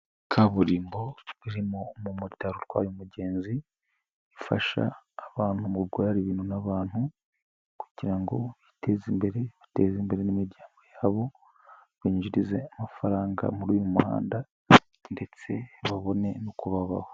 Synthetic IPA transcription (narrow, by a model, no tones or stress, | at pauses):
kʰaβuɾiːmbo̞βiɾimomumuɾitaɾutwa̰ːjumuɟe̞ːnzi | ifaʃa̰ːβaːnhumuɾɡwaːɾiβiːnhunaβaːnhu | ku̥ɟ̥iɾaŋɡo̞̰βite̞zimbe̞ɾe̞βate̞zimbe̞ɾenimiɾɟaːŋɡo̞jaːβo̞ | βiːɲʒiɾize̞amafaɾaːŋɡa̰muɾuːjumuha̰ːnda | nde̞t͡se̞βaβo̞ne̞nokuβaβa̰ha